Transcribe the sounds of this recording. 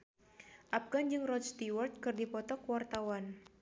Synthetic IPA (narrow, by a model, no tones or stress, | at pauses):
ʔap̚ɡand͡ʒɨŋrɔst̪iwɔrt̪̚kɨrdipɔt̪ɔkəwart̪awan